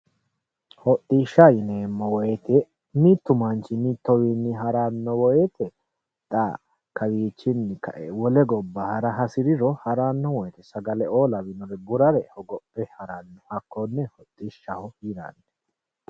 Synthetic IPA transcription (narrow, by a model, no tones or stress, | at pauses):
hɔt̪ʼːiʃːajɪnemːɔwɔjɛt̪ʰɛ | mit̪ːʊmɐnt͡ʃɪmiːt̪ːɔwinːɪɦɐɾaːnːɔwɔjɛt̪ʰɛ | t̪ʼaː | kɐwiːt͡ʃːɪnːɪkɐ̰ʔɛwɔlɛɡɔbːɐhɐɾɐɦɐsɪɾɪɾɔhɐɾanːɔwɔjɛt̪ɛsɐɡɐlɛoːlɐwɪnɔɾɛɡʊɾɐɾɛhɔɡɔpʼːɛhɐɾaːnːɔhɐkːɔnːɛhɔt̪ʼːiʃːɐhɔhiɾa̰nːɛ̥